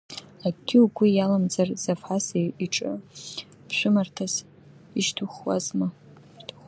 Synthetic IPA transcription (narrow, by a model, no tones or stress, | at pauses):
aɡɡʲɪwɡʷijalamd͡zarzafħaseiʈ͡ʂʼɨ̰ | pʰʃʷᶣʊmartʰas | iʃtʰuχwa̰zmɨ | tʰuχ